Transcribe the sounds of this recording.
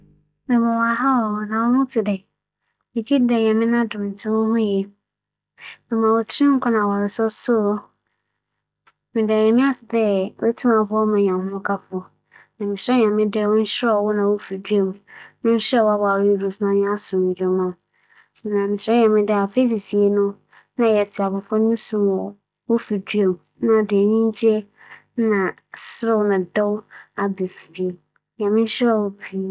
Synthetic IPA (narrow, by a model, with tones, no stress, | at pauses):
mɪ̃˨mã˨wa˨ɦa˦wɔ˨nã˨wɔ˦nʊ̃˦tʰɪ˨dɛ˨ | mɪ̃˨d͡ʑi˦dɛ˨ɲɛ̃˨mɪ̃˦nã˦dʊ̃˨mn̩˨tʰɪ̃˦wʊ˦hʊ̃˦ɛ˨ | mɪ̃˨mã˨wo˨tʰĩ˦ŋ̩˦kʰɔ˦nã˨wɔ˨ɾɪ˨sɔ˦sʊ˦ | mɪ̃˨dɛ˨jɛ̃˨mɪ̃˦a˦sɪ˨dɛ˦wʔɛ˦tʰũ˦mã˨fʊ˦ɔ˦mã˨ɲ˨ã˨hʊ̃˦ʊ̃˦kʰa˦fʊ˨ɔ˨ | nã˨mɪ̃˨sɾɛ˦ɲã˨mɪ̃˦dɛ˦˨wʊ̃˦n̩˦ɕɾɛ˦ɔ˨wɔ˦nã˨wo˦fi˨dɥe˦˨mũ˨nɪ̃˦n̩˦ɕɛ˦˨wa˦ba˨wi˦du˨snã˦ɲɪ̃˦a˦sʊ̃˨mɪ̃˨d͡ʑᶣɛ˨mã˦˨ | nã˨mɪ̃˨sɾɛ̃˦ɲã˨mɪ̃˦dɪ˦a˨fe˦s̬i˨si˨e˨nʊ̃˦ | nã˦˨jɛ˨tʰɪ˨a˨bʊ˨fɔ˦n˦ĩ˦sũ˨mɔ˨ | wo˦fi˨du˦e˨m˨˦nã˦˨de˨nĩ˦ɲ˦d͡ʑe˦ | nã˨ | sɾɪ˦wnã˨dɔ˦wa˨be˨fɾi˨ | ɲã˨mɪ̃˦n̩˦ɕɛ˦ɔ˨wʊ˦pʰi˦